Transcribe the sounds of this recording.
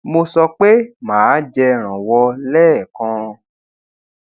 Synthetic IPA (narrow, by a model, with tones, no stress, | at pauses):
mo˧sɔ˧k͡pe˦mãː˨˦d͡ʒɛ˧ɾ̃ã˨wɔ˧lɛː˦˨kã˧